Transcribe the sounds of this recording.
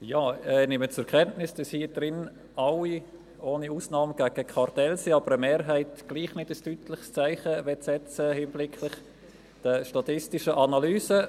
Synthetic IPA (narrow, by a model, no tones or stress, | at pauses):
jaːɛnɪmət͡sʊɛkʰɛntnɪsd̥ɑshiːəd̥ɾɪn | ɑwi | oːniuːsnɑːməɡ̥æɡ̥əkʰɑrtɛlsiɑbəɾəmeːɾɦæɪtɡ̥liːχnɪdəstyːtʰlɪχst͡saɪχəvɛtsɛt͡səhɪnblɪkʰlɪχ | d̥əʃtɑtɪstɪʃəʔɑnɑlyːsə